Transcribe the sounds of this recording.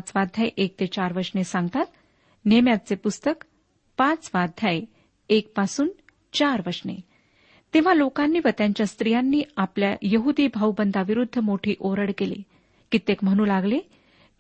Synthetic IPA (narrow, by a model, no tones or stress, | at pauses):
t͡sʋad̪ʱjajʔek̚t̪et͡ɕaɾʋəɾʂnesaŋɡt̪at̪ | nemjat̪̚t͡sepust̪ək | pãt͡sʋad̪ʱjaj | ek̚pasuːn | t͡ɕaɾʋəɾʂnḛ | t̪eʋ̤alokanːiːʋət̪jaɲt͡ɕjast̪ɾijanːiːapljajəɦud̪iːbʱawbənd̪ʱaʋiɾud̪ʱːəmoʈʰiːʔoɾəɽkelḭ | kit̪ekm̤əɽ̃uːlaɡle